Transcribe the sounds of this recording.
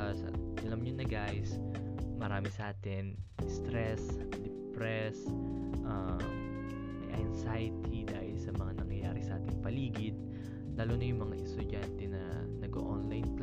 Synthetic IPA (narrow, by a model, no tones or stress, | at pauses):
sɐ̰ʔɐlɐmɲonɐɡaʔs | mɐɾaːmɪsɐʔaːt̪ɪnst̪ɾɛsd̪ɛpɾɛsʔɐ | ʔɐnsajt̪ʰid̪aːhɪlsɐmɐŋanɐŋɐjaːɾɪsɐʔaːt̪ɪŋpɐliːɡɪd̪̚ | laːlonɐjʊŋmɐŋaʔɛst̪ʊd͡ʒant̪ɛnɐ̰ | nɐɡʔo̰ʔonlajnk